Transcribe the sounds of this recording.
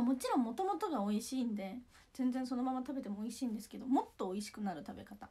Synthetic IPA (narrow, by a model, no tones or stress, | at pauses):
amo̞t͡ɕiɾõ̞mːo̞t̪o̞mot̪o̞ɡao̞iɕiːnd̪e̞ | z̥ẽ̞nd͡zẽ̞so̞no̞mamat̪abe̞t̪e̞mo̞ːiɕĩːnd̪esɨ̥ke̞d̪o̞mo̞t̪ːo̞ːiɕi̥kɯ̟naɾɯ̟t̪abe̞̰kat̪a